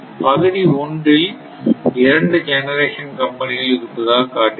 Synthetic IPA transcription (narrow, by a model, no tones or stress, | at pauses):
pɐɣɯɽiɔɳɖrɪl | ɪɾɐɳɖɯd͡ʒɛnɐɾeːʂɐnkɐmpɐnɪɐɪɾɯpːɯðaːkaːʈːɯ